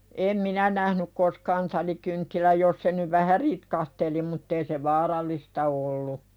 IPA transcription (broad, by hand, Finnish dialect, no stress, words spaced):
em minæ næhnyk koskɑːn tɑlikyntːilæj jos se nyʋ ʋæhæ ritkɑhteli mutː ei se ʋɑːrɑlˑistɑ olːu